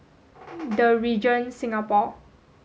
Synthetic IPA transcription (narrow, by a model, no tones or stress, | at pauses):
dəɹid͡ʒə̃nsĩŋapɔ